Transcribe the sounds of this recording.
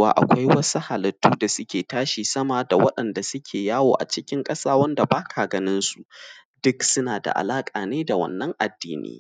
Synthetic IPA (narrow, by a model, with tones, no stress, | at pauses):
waː˨ʔa̰˨kʷa˦jwɐ˦su˦ha˨lɐ˨tːuː˦da˨sʊ˦kʲeː˨taː˦ʃi˨sɐ˦ma˨da˨wɐ˦ɗɐ˨nda˨sʊ˦kʲʰeː˨jaː˦woː˨ʔa̰˨t͡ʃɪ˦kʲɪ˦ŋkʼɐ˦saː˦wɐ˦nda˨baː˦kʰa˨ɡɐ˦nɪ˦nsu˨ | d̥ʊ˦ksʊ˦naː˨da̰˨ʔa̰˨laː˦kʼaː˨neː˦da˨wɐ̰˦nːɐ˦ŋʔa˨dːiː˦nḭː˦